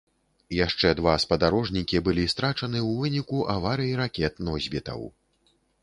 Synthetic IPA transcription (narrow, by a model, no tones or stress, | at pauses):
jaʂt͡ʂɛd̪vaspɐd̪aɾɔʐnʲikʲibɨlʲist̪ɾat͡ʂɐnɨwvɨnʲikuʔavaɾɨjiɾakʲɛt̪nɔzʲbʲit̪ɐ̰w